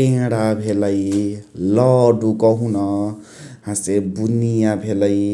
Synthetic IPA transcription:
ẽɽabʱelʌjlʌɖukʌɦũnʌ | hãsebunijabʱelʌj

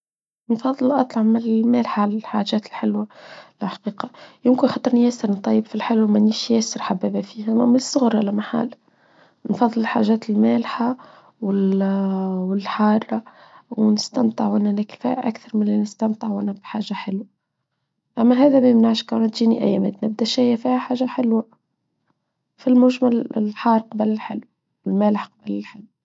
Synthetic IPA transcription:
nfɑðˤːɨlʔɑt̪ˤlɑʕmɪlmæːlħaʕalælħaːʒæːt̪ɪlħɪlwalħḁqiːqɑjɪmkɪnxɑt̪ˤɨɾnijæsəɾnt̪ˤɑjːɪbfilħɪlwmæniːʃjæːsɪɾħabæːbæfiːhæmɪnsˤːʊɣɾalæmaħa̰l | nfɑðˤːɨlɪlħa̰ːʒæːt̪ɪlmæːlħa | wɪl | wɪlħɑːrˤːɑwnɪst̪amt̪ˤəʕwʔɪnːænækfæ̰ːʔʔæ̰kθɑɾˤmɪnlinɪst̪amt̪ˤəʕwʔɪnːæbħaːʒːaħɪlwa | ʔæmːæɦæːðæmæmnaʕʃkawnæt̪ʒiːniʔæ̰jːæmæ̰t̪nɪb̚d̪æʃæjːæfiːhæħaːʒːaħɪlwa | filmʊʒmælɪ̰lħɑːɾˤqɑbəlɪlħɪ̰lw | wɪlmæːləħqɑbəlɪlħɪlw

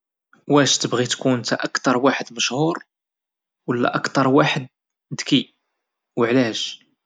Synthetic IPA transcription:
wæʃt̪əbɣit̪kunt̪æʔəkt̪ɑɾˤwaħəd̪məʃhuɾ | wəlːæ̰ʔɑkt̪ɑɾˤwaħəd̪̚ | d̪ki | wəʕlæʃ

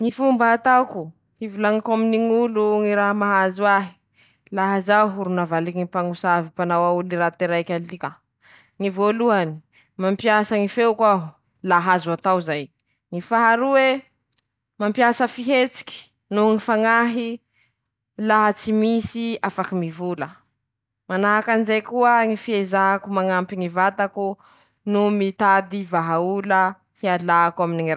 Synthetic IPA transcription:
ŋifumbaːt̪aku | ivulaŋakaminiŋuluŋiɾaɦamaɦazuaɦi̥ | laɦazaɦuɾunavaliŋipaŋusavipanawauliɾat̪eɾajkʲalt̪ika | ŋivoluani̥ | mampiasaŋifewkʷaɦu | laɦazat̪awzaj | ŋifaɦaɾuwe | mampiasəfiɦet͡si̥kʲi̥ | nuŋifaŋaɦi | laɦat͡simisiafakimivulə | manaɦakanizejkuəŋifiezaakumaŋampiŋivat̪aku | numit̪ad̪ivaɦaulə | hialaːkwaminiŋira

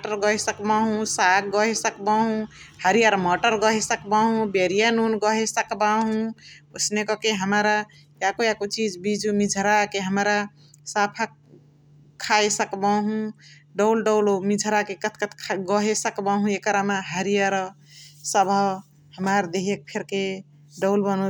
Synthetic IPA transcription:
ʈəɾɡɔɦesəkbaɦũsak̚ɡɔɦesəkbaɦũhəɾijaɾmɔʈəɾɡɔɦesəkbaɦũbeɾijanunɡɔɦesəkbaɦũosnekɔkeɦəmɾa | jakojakot͡ʃid͡ʒbid͡ʒumid͡ʒʱɾakeɦəmɾa | sapʰa | kʰːaesəkbaɦũ | ɖɔwlɖɔwlomid͡ʒʱɾakekət̪ʰkət̪ʰkʰɡɔɦesəkbaɦũekəɾamaɦəɾijaɾɔ | səbʱɔ | həmaɾd̪eɦek̚pʰeɾke | ɖɔwlbənu

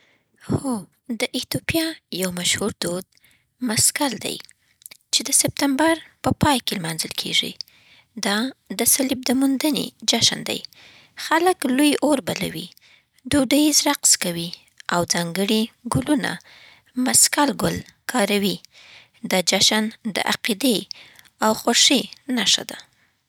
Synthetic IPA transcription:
xo | d̪əʔɪt̪opjɑjawmaʃhuɾd̪od̪̚ | maskald̪a̰j | t͡ʃed̪əsɪp̚t̪ambaɾpəpɑjkelmɑnzəlkʰḛʐḭ | d̪ɑd̪əsalib̚d̪əmund̪ənḛd͡ʒaʃa̰nd̪a̰j | xaləklojoɾbala̰wḭ | d̪oɖajizɾaqskawi | awzɑŋɡəɽiɡʊluna̰ | maskalɡʊlkʰɑɾawi | d̪əd͡ʒaʃand̪ə̰ʔaqid̪e | awxoɾʂinaʂa̰d̪a

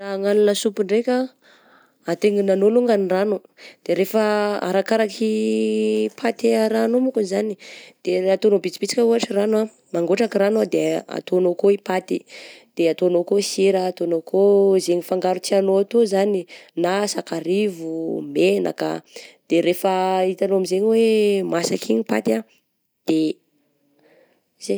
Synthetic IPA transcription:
aŋalunəsupiɳɖ͡ʐekʲa | at̪eŋinanoluŋɡaniranud̪̥eɾefaa̰ɾakaɾakʰi | pʰat̪eaɾanomukuzanid̪̥eat̪onobit͡sipit͡si̥kʲəuaʈ͡ʂiranwa | maŋɡoʈ͡ʂakiɾanad̪ea̰t̪onokoipat̪id̪̥eat̪oanokosiɾaːt̪onokʰozeɲifaŋɡaɾut͡sianoat̪ozaninasakaɾivumena̰kə̰d̪̥eɾefəit̪anoamizeɲiwemasakʰiɲipa̰t̪a | d̪̥e | ze

